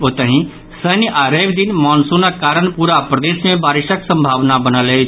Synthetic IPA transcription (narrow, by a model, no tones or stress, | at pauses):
ot̪əɦĩ | səːniʔaːɾeːʋd̪ɪnmɔːnsunakaːɾəɳ̃puːɾapɾəd̪eːsmẽbaːɾɪʃaksə̃mbʱaːʋnabənalee